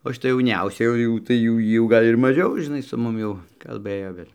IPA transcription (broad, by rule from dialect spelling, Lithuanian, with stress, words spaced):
oː ʃʲɪˈtɐ jɛʊˈnʲɛʊsʲɛ jɛʊ ˈjɛʊ tɐɪ jɛʊ ˈjiː jɛʊ ˈɡɐlʲ ɪr mɐˈʒʲɛʊ ʒʲɪˈnɐɪ sʊ ˈmʊm jɛʊ kɐlˠˈbɘjoː ˈʋʲeːlʲ